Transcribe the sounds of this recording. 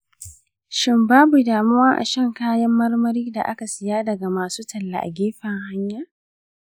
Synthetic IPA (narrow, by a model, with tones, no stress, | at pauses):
ʃɪ˦˨mbaː˦bu˨daː˨mʊ˦wɐ˦ʔa̰˨ʃɐ˦˨ŋkaː˦jɐ˦mːɐ˦rmɐ˦ɾiː˦da˨ʔa˦ka˨sɪ˨jaː˦dɐ˨ɡa˨maː˨suː˦tɐ˨lːa̰˨ʔa̰˨ɡʲeː˦ɸɐ˨ŋha˦ɲjaː˦˨